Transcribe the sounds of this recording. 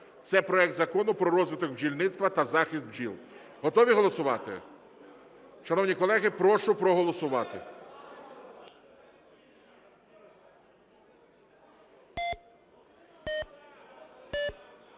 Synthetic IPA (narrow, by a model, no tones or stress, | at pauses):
t̪sɛpɾɔɛk̚d̪zɐkɔnʊpɾɔɾɔzʋɪt̪ɔkbd͡ʒʲilʲnɪt̪st̪ʋɐt̪ɐzɑxʲisd̪̚bd͡ʒilˠ | ɦɔt̪ɔʋʲiɦɔlˠɔsʊʋɑt̪ɪ̰ | ʃɐnɔwnʲikɔlˠɛɦɪpɾɔʃʊpɾɔɦɔlˠɔsʊʋɑt̪ɪ̰